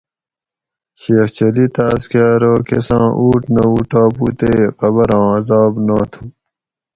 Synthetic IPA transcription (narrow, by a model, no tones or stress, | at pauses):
ɕeːxt͡ɕɐlit̪askaːɾoːkḛsãːʔuːʈnɐuʈaːpṵt̪eːqɐβɐɾɑ̃ːɐzɑːbnõːt̪ʰu